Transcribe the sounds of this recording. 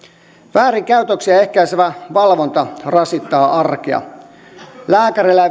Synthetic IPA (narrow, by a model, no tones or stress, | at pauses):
ʋæːriŋkæyt̪øksiæehkæiseʋæʋɑlʋont̪ɑrɑsit̪ːɑːʔɑrkiɑ̰ | læːkæɾilːæ